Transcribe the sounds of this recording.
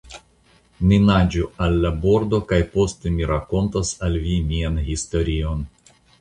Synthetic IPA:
nʲinad͡ʒualʲːaboɾd̪okajpo̞st̪emiɾako̞nt̪ɐsalʲvʲimʲianɦist̪oɾʲion

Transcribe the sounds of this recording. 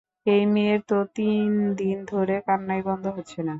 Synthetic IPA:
ejmeeɾt̪ot̪ind̪ind̪ʱoɾekanːajbɔnd̪ʱoɦotːɕʰena

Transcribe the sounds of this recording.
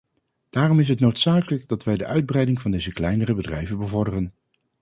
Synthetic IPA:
d̥aːrɔmɪs̬ɦətnowtsaːkələɡ̚dɑtʋɛjdəʔœɥd̚brɛjdɪŋvɑndejzəklɛjnərəbədrɛjvənbəvɔɹdərən

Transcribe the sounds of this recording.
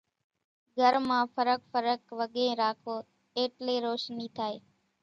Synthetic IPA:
ɡʱəɾmãːfʰəɾək̚fəɾəkʋəɠẽːɾaːkʰoː | eːʈleːɾoːʃniːt̪ʰaːeː

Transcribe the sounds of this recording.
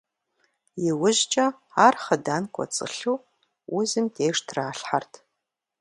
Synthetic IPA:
jɪwʊʑt͡ʃʼɐaːrχɐdaːnkʷʰʼɔ̰t͡sʼɨ̰ɬuː | ʔʊzɨmtʰeːʂtʰraːɬħartʰ

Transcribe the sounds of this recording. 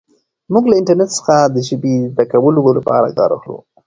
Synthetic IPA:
muɡlaɪɳʈaɾnetsə̥xad̪əʒəbezd̪akawəloolapɑ̰ɾa̰ɡɑ̰ɾa̰xlṵ

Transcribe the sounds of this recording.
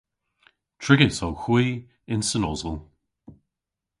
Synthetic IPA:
tʰɹ̥ɪɡɪsɔwxwiː | ɪ̃nsənɔ̰zəlˠ

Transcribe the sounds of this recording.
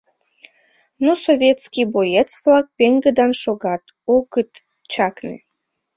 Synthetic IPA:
nosovʲjet̪skibojet͡svlɑk̚peŋɡəd̪ɑnʃoɣɑt̪ | oɣət̪ | t͡ɕɑknḛ

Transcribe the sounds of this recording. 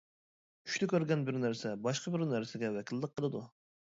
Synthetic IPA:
y̥ʃt̪ɛkʲøɾɡʲɛnbɪɾnæɾsɛbɑʃqʰɑbɪɾnæɾsɪɡʲɛwɛkʲʰilːəq̚ʰːəlˠɨd̪u

